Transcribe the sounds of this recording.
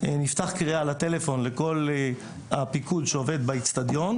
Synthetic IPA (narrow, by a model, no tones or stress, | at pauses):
enift̪aχkʁialat̪e̞lefo̞nle̞ko̞l | apikudʃeove̞d̪bait͡st̪ad̪jo̞n